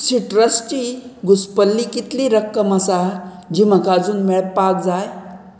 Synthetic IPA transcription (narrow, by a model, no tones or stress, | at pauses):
siʈɾəsʈiɡuspəlːikit̪liɾəkːəmasa | d͡ʑiməkad͡zuːnmɛɭpak̚d͡zaj